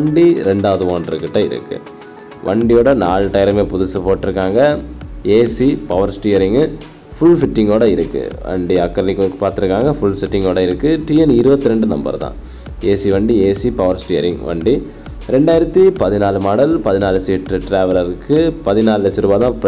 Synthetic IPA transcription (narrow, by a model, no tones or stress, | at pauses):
ɐɳɖiɾɛɳɖaːʋɐðɯʋoːndrɾɐ̰kːɪʈːɐ̃ɪ̰ɾɯ̰kːɯ̰ | ʋʔɐɳɖijoːɽɐnaːlʈːɐjɪɾɐmeːpʊðʊsɐpoːʈːɪɾɯkːaːŋɡɐeːsipɐʋɐɾsʈɪjɐɾɪŋɡ | fʊɭfɪʈːɪŋɡoːɽɐɪɾɯkːɯ̰ʋɐ̰ɳɖiɐkːɐɾlɪkːkːɯpaːɾt̪ɪɾɯkːaːŋɡɐfʊɭsɪʈːɪŋɡoːɽɐɪɾɯkːɯʈiːɛnɪɾɯbɐt̪ːɯɾɛɳɖɯnɐ̰mbɐ̰ɾt̪ã̰ː | eːsiʋɐɳɖieːsipɐʋɐɾsʈɪjɐ̰ɾɪŋʋɐ̰ɳɖi | ɾɛɳɖaːjɪɾɐt̪ːipɐðɪnaːlɯmaːɽɐlpɐðɪnaːlsːʈɾɯʈɾeːʋɐlɐɾɯkːɯpɐðɪnaːlɯlɛt͡ʃːɯɾɯːbaːðãːp